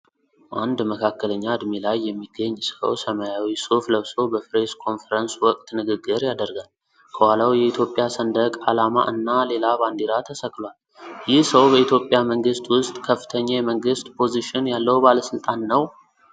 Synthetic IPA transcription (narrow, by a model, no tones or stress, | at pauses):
ʔand̪məkʰakːələɲːaɨd̪milajːɛmːiɡːəɲːsə̰wsəmajawisofləβsobəfɾeskʰo̞nfəɾənswɔkʼt̪nɨɡɨɡɨɾjad̪əɾɡal | kʰəhalawjɛit̪ʰjo̞pʼjasənd̪əkʼalama̰ʔɨnːale̞laband̪iɾat̪ʰəsəkːlwal | jɪhsəwbəit̪ʰjo̞pʼjaməŋɡɨst̪ʼwʊst̪ʼkʰəfːɨ̥t̪ʰəɲːajɛməŋɡɨst̪ʼpʰo̞ziʃɪnjalːəwubaləsɨlt̪ʼanːəw